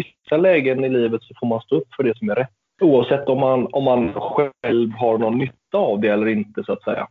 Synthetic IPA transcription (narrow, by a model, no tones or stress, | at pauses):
ɪssalɛːɡənɪliːvət̪sɔfoːɾmanst̪oːɵpːfœɖɛsɔmæɾɛt̪ː | uːavsɛt̪ːɔmːanɔmːanɧɛlvɦaɾɳɔnːʏt̪ːaːvd̪ɛɛlːəɾɪnt̪əsʊat̪sɛ̰jːa̰